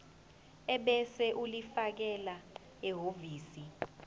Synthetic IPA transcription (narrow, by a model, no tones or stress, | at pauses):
ɛɓɛsɛʔulifak̬ɛla | ɛɦoviːsi